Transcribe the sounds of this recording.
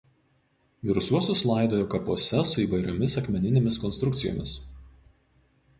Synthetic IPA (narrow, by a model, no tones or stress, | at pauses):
ʋʲɪɾʊsʲuɔsʊslˠɐˑɪd̪oːjoːkɐpuɔsʲɛsʊiːʋɐɪɾʲomʲɪsɐkʲmʲɛnʲɪnʲeːmʲɪskɔnst̪ɾʊkt̪sʲɪjo̰ːmʲɪs